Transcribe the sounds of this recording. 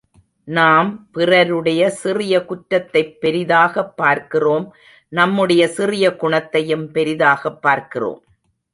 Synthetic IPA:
naːmpɪrɐɾɯɽɐjɐsɪrɪjɐkʊʈːɐt̪ːɐɪpːɛɾɪðaːɣɐpːaːɾkɪroːm | nɐmːɯɽɐjɐsɪrɪjɐkʊɳɐt̪ːɐjɯmpɛɾɪðaːɣɐpːaːɾkɪro̰ːm

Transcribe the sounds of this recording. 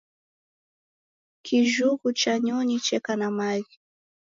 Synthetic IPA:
kʰiʒukut͡ʃaɲɔɲit͡ʃɛkanamaji

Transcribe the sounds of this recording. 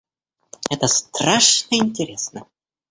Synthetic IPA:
ɛt̪əst̪raʂnəɪnʲtʲɪɾʲesnə

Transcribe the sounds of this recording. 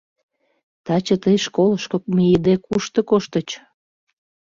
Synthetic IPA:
t̪ɑt͡ɕə̆t̪əjʃkoləʃkok̚mijəd̪ekuʃt̪ɤ̆koʃt̪ə̆t͡ɕ

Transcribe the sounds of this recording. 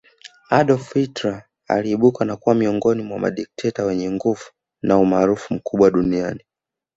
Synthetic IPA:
aɗɔfitɾa | a̰liːɓukanakuwamiɔŋɡɔnimwama̰ɗik̚tʰɛtawɛɲɛŋɡuv̥u̥ | naumaːɾufum̩kuɓwaɗuniani

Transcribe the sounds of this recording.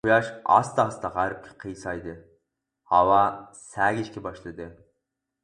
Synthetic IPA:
ʊjɑʃɑ̰st̪ɑːst̪ɑʁɑɾɪp̚kʲʰɪ̥qʰəjsɑjd̪ɨ | hɑwɑsæːɡʲiʃkʲʰɛbɑʃlˠɨd̪ɨ

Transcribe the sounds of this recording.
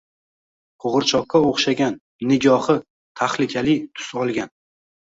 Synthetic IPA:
qʰoʁɨɾt͡ʃʰɒqːaoχʃaɡʲan | nɪɡʲɒhɨ | t̪ʰaχlɪkʲʰalɪt̪ʰʊ̥sɒlˠɡʲan

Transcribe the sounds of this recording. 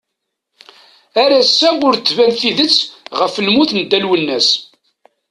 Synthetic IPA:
æɾæsːæʊɾt͡sːvænθiðət͡sːʁəfəlmuθnəd̪ːælwənːæs

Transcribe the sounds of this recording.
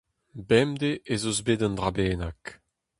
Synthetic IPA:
bɛmd̪eʔezozbed̪ɑnd̪ʁabɛːnak

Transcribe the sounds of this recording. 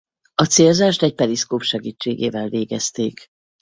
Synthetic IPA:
ɒt̪seːlzaːʃt̪ɛc̚pɛliskoːpʃɛɡiːt͡ʃːeːɡeːvɛlveːɡɛst̪eːk

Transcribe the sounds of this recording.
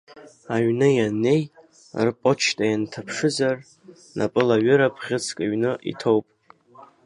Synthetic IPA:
aɥnɨjane̞j | rpʼot͡ʃʰtʼajantʰapʰʂɨzar | nʔa̰pʼɨlaɥɨɾapʰχʲɪt͡sʰkʼaɥnɨʔḭtʰo̞wpʼ

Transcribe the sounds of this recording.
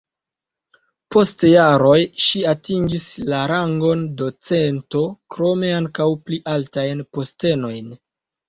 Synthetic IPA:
po̞stjaɾo̞jʃiatiŋɡislaɾaŋɡo̞ndo̞t͡se̞nto̞kɾo̞me̞aŋkawpliʔaltajnpo̞ste̞no̞jn

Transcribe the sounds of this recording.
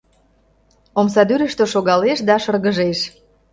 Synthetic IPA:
omsɑd̪yɾə̆ʃt̪øʃoɣɑleʃd̪ɑʃərɣəʒeʃ

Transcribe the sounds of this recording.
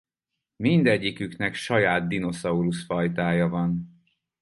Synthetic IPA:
mind̪ɛɟːikyknɛkʃɒjaːd̪̚d̪ino̞sɒuɾusfɒjt̪aːjɒvɒn

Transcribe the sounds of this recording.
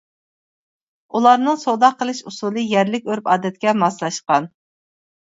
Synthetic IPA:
ulˠɑɾnɨŋsod̪ɑqʰːəlˠɨʃusulˠɨjɛɾlɪkʲøɾpɑːd̪ɛt̪̚kʲɛmɑslˠɑʃqɑn

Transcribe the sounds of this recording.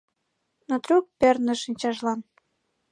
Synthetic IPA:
not̪ɾuk̚pʲernə̆ʃinʲt͡ɕɑʒlɑn

